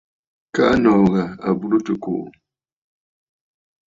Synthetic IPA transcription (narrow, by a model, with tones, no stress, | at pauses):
ka̰˦ʔa˦nɔ˨ɣa˨a̰˨bu˦ɾo˦tɨ˨ko̰˨ʔ